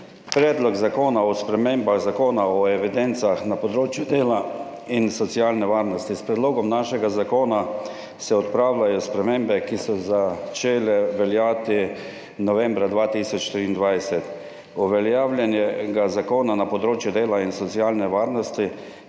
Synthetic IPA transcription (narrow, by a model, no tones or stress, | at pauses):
pɾɛːd̪lɔɡzakoːnaɔspɾɛmembaɣzakoːnaɔɛʋid̪ɛnt̪saxnapɔd̪ɾoːt͡ʃjud̪eːla | insɔt̪siaːlnɛʋaːɾnɔst̪ispɾɛd̪loːɡɔmnaʃɛɡazakoːna | sɛɔt̪pɾaːwlajɔspɾɛmembɛkisɔzat͡ʃeːlɛʋɛljaːt̪i | nɔʋɛmbɾad̪ʋaːt̪iːsɔt͡ʃt̪ɾiːnd̪ʋajsɛt̪ | uʋɛljaːwljɛnjɛɡazakoːnanapɔd̪ɾoːt͡ʃjʊd̪eːlainsɔt̪siaːlnɛʋaːɾnɔst̪i